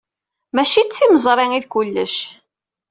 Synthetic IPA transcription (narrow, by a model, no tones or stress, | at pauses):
mæʃit͡sːiməzˤɾˤɪŋiðkʊlːəʃ